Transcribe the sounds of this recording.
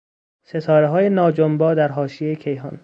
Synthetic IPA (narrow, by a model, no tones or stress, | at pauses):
set̪ʰɒːɾeɦɒːjenɒːd͡ʒombɒːd̪æɾɦɒːʃijejecʰejɦɒ̰ːn